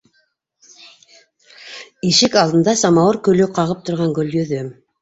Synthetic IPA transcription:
iʃɘkɑlˠd̪ɤ̆nd̪ɑsɑmɑwɤɾkɵ̆lɵqɑʁɤp̚t̪ŏɾʁɑŋɡɵljɵ̆ðɵ

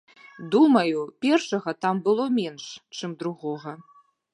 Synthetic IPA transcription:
dumɐjupʲerʂɐɣɐtʰambɨlˠomʲenʂt͡ʃʰɨmd̪ɾuʁoʁɐ

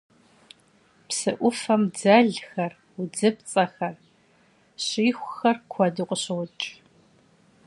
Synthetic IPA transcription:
psɨʔʷʊfɐmd͡zɐɮxɐr | ʊd͡zɨpt͡sʼɐxɐr | ɕiːxʷʊxɐrkʷʰɔdɨqʷʼəɕɨwʊt͡ʃʼ

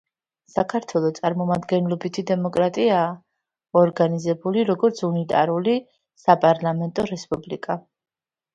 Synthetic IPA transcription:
sakʰaɾt̪ʰwɛlˠɔt̪sʼaɾmɔmad̪ɡɛnlˠɔbit̪ʰid̪ɛmɔkʼɾat̪ʼiaː | ɔɾɡanizɛbuliɾɔɡɔɾt̪sʰunit̪ʼa̰ɾuli | sapʼaɾlˠamɛnt̪ʼɔɾɛspʼublikʼa

